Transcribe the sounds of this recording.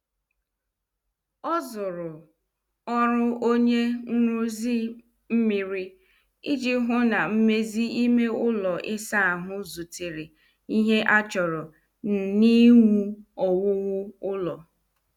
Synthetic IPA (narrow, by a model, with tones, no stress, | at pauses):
ɔ˦zʊ˨ɾʊ˨ | ɔ˦ɾʊ˦ʔo˦ɲe˦n̩˦ɾu˦zi˦ | m̩˦mi˨ɾi˦ | i˦d͡ʒi˦ɦʊ˦na˨m̩˦me˦zi˦i˦me˦ʊ˦lɔ˨ʔɪ˦sa˦a˨ɦʊ˦zu˨ti˨ɾi˨ | i˦ɦe˦ʔa˦t͡ʃɔ˨ɾɔ˨ | n̩˨ni˦ŋu˦ɔ˨wʊ˦wʊ˦ʊ˦lɔ˨